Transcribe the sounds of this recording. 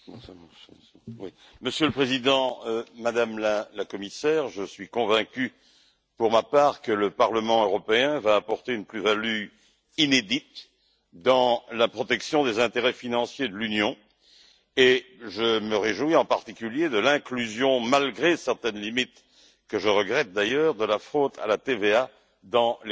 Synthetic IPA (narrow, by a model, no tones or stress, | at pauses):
ss | wḭ | məsjələpχezid̪ɑ̃ømad̪amlalakɔmisɛʁʒəsɥikɔ̃vɛ̃kʲy | puʁmapaʁkələpaʁləmɑ̃øʁɔpeɛ̃vaːpɔʁt̪eynplyvaly | ined̪it̪ | d̪ɑ̃lapχɔt̪ɛksjɔ̃d̪ezɛ̃t̪eʁɛfinɑ̃sjed̪əlynjɔ̃ | eʒəməʁeʒwiɑ̃paʁt̪ikʲyljed̪əlɛ̃klyzjɔ̃malɡʁesɛʁt̪ɛnlimit̪ | kəʒəʁəɡʁɛt̪̚d̪ajœːʁd̪əlafχod̪a̰lat̪evea | d̪ɑ̃l